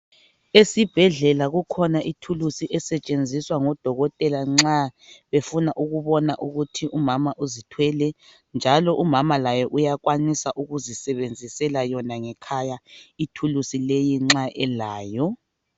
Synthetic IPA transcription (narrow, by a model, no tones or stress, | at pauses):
esib̥ʱɛɮɛlaɣukʰɔnaʔitʰulusiʔɛsɛt͡ʃʼend͡zʱiswaŋɔd̥ʱɔɣɔtʼɛlaŋ͡ǁaβefunaʔuɣuβɔnaʔuɣutʰiʔumamaʔuzitʰwɛlɛ | nd͡ʒʱalɔʔumamalajɔʔujakwanisaʔuɣuzisɛβend͡zʱisɛlajɔnaŋɛkʰajaitʰulusilejiŋ͡ǁaʔɛlaːjɔ